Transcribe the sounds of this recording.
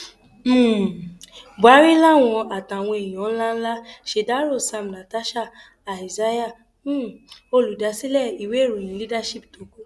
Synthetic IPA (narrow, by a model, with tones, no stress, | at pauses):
m̩˦˨ba˨˦ɾi˦la˦˨w̃ɔ̃˧a˨ta˨w̃ɔ̃˧e˨j̃ɔ̃˨˦n̩˦la˦n̩˦la˦ʃe˧da˦ɾo˦˨sa˧m˨na˨ta˦ʃa˦˨ | a˨i˨za˦ja˦˨˦ | o˧lu˨da˨˦si˦lɛ˦˨i˨we˨˦˨ɾo˨ĩ˨˦li˦da˦ʃi˦p̚to˨˦ko˦